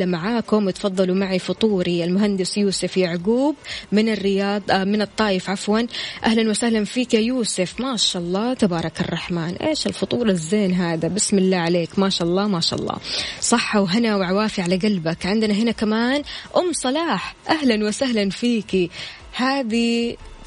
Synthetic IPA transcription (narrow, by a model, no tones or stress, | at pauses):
amaʕaːkʊmjɪt̪fɑðˤːɑlumaʕifʊt̪ˤuːɾiɪlmʊɦand̪ɪsjuːsɪfjaʕɡuːbmɪnɪrːɪjɑːd̪ˤmɪnɨt̪ˤːɑːjɪfʕafwanʔahlanwɪsahlanfiːkajuːsɪfmaːʃaʔɑlˤːɑːt̪abɑːɾˤɑkɑ̰rˤːɑħmaːnʔeːʃɪlfʊt̪ˤuːɾˤɑzːeːnɦaːd̪abɪsmɪlːaːʕaleːkmaːʃaʔɑlˤːɑːmaːʃa̰ʔɑ̰lˤːɑ̰ːsˤɑħːawɦanawʕawaːfiʕalaɡalbakʕɪnd̪ɪnaɦɪnakamaːnʔʊmːsˤɑlɑːħʔaɦlanwɪsahlanfiːki | haːd̪i